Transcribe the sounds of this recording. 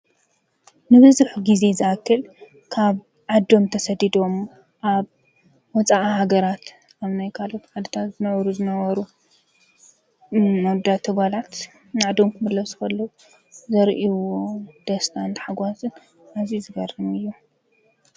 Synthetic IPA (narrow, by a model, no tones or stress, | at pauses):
nɨβɨzɨħuɡize̞zɨʔakʰːɨl | kʰaβ | ʕad̪o̞mt̪ʰɐsɐd̪id̪o̞m | ʔaβ | wɔt͡sʼaʔhaɡɐɾat̪ | ʔaβnajkʰalo̞t̪ʕad̪ɨt̪ʰat̪zɨnɐβɐɾuzɨnɐβɐɾu | mɐd̪at̪ʰːɐɡalat̪ | naʕd̪omkʰɨmɨd̪lɐsu̥xɐlːɐu | zɐɾʔiwod̪̥ɐst̪ʰant̪ħaɡʷasɨn | ʔazizɨɡɐrɨmɨjːo